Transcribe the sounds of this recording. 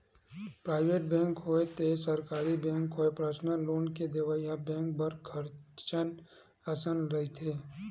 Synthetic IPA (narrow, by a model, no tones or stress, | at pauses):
pɾaːɪʋeːʈbɛ̃ːŋkɦoet̪esəɾkaːɾibɛ̃ːŋkɦoːepɾəʃnəloːnked̪eʋajabɛ̃ːŋk̚bɐɾkʰəɾt͡ʃən | ɐsənɾɐɦit̪ʰeː